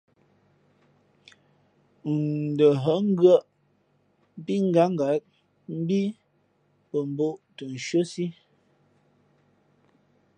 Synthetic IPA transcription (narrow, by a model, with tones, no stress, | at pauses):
də˨ɦə˨˦ŋ˦ɡɰə˦ʔ | pi˦ŋ̩˦ɡa˨˦ŋ˨ɡa˨˦k̚ | m̩˦bi˦ | pə˨m̩˨bo˦ʔtə˨n̩˨ʃə˦si˦